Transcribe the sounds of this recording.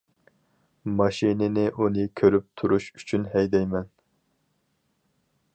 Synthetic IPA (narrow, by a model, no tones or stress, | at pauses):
mɑʃinɪnɪʔunɨkʲʰøɾyp̚t̪ʰuɾuʃy̥t͡ʃʰynhɛjd̪ɛjmɛn